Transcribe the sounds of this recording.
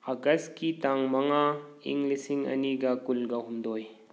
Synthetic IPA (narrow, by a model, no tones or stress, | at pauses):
ɐɡɐskit̪aŋmɐŋaḭŋɡlisiŋɐ̰niɡakulɡaɦumd̪oːj